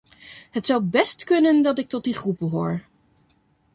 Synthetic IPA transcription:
ɦətsʌwbɛstkɵnəndɑtɪk̚tɔt̚diχrub̚bəɦoːɹ

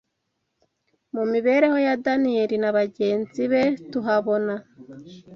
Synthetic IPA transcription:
mumiβe̞ːɾe̞ho̞jadanijeɾinaβaɟe̞ːnziβe̞tuɦaβo̞na

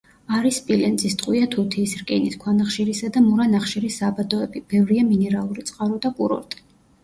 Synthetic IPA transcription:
aɾispʼilɛnt̪zʼist̪ʼqʼwiat̪ʰut̪ʰiːsɾkʼɛniskʷʰwanaχʃiɾisad̪amuɾanaχʃiɾisːaːbad̪ɔɛbib̥ɛvɾiaminɛɾalˠuɾit̪sʼqʼaɾɔd̪akʼuɾɔ̰ɾt̪ʼi̥

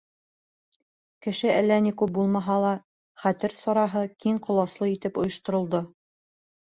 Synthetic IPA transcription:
kɘ̆ʃɘælːænikʉp̚bulˠmɑɦɑlˠɑ | χæt̪ɘɾsɑɾɑɦɤkiɴqŏlˠɑslˠɤit̪ɘpŏjɤ̆ʃt̪ŏɾŏlˠd̪o

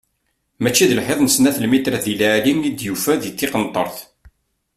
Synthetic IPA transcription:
mæt͡ʃːiðəlħeðˤnəsnæθəlmit̪ɾæðilæʕliŋid̪jufæðθːɪqənt̪ˤə̰ɾˤθ

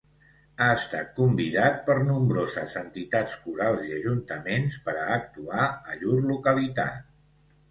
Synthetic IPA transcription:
aəst̪a̰t̪̚kumbiðat̪̚pəɾnumbɾozəzənt̪it̪at͡skuɾalˠziəʒunt̪əmenspəɾəːk̚t̪uaəʎuɾlukəlit̪a̰

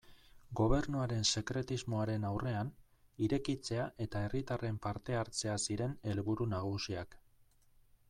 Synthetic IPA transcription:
ɡo̞β̞e̞ɾnuaɾe̞nse̞kɾe̞t̪izmo̞aɾe̞nawre̞an | iɾe̞kit͡se̞aʔe̞t̪ae̞rit̪are̞mpaɾt̪e̞aɾt͡se̞asiɾe̞ne̞lβuɾunaɣ̞usiak

